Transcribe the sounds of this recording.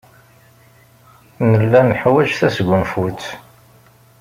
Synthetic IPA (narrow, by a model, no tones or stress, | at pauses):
nəlːænħwæʒθæsɡʷənfut͡s